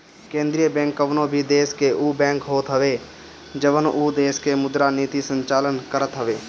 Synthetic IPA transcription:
kẽːnd̪ɾijəbɛ̃ːŋkəʋnõbʱid̪eːskeʔuːbɛ̃ːŋkɦoːt̪ɦəʋeː | d͡ʒəʋənuːd̪eːskemʊd̪ɾaniːt̪isə̃ɲt͡ʃaːlənkəɾət̪ɦəʋeː

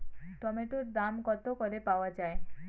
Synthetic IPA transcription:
ʈɔmeʈuɾd̪amkɔt̪okɔɾepawad͡ʒae

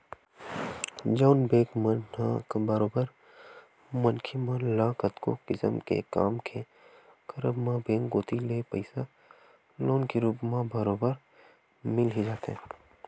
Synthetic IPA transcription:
d͡ʒaːnbeːkmɐ̃nnãkbɐɾoːbəɾ | mɐnkʰimãlaːkət̪ko̰kɪsə̰mkḛka̰ːmkʰe | kɐɾəbmãbẽːŋɡoːt̪ilepəɪsa | loːnkiɾuːpmãbɐɾoːbəɾ | mɪlɦid͡ʒaːt̪eɦɛ̃ː

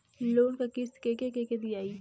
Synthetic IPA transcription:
loːɾkakɪskekekeked̪iaːiː

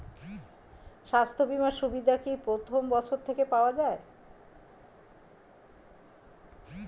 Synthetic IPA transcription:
ʃast̪ʰobimaʃubid̪ʱakipɾot̪ʰombɔt͡ɕʰoɾt̪ʰekepaoad͡ʑae

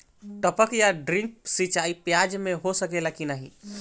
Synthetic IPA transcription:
ʈəpəkjaɖɾĩŋk̚sit͡ʃaipjad͡ʒmeɦosəkelakinaɦḭ

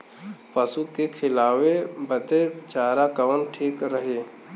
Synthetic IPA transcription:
pəsukekʰɪlaːwebət̪et͡ʃaːɾakəʋənʈʰiːkɾəɦeː

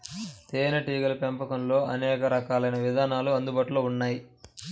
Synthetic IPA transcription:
t̪eːnɐʈiːɡɐlɐpempɐkɐmlo̞ːɐ̰nɛːkɐɾɐkaːlɐjnɐʋid̪ʱaːnaːluɐnd̪ubaːʈuloːunːaːji

